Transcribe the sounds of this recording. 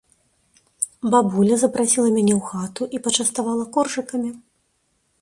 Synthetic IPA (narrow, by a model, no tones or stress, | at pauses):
babulʲɐzɐpɾʔasʲilˠɐmʲanʲɛwxat̪uʔipɐt͡ʂɐst̪avalˠɐkɔrʐɨkɐmʲi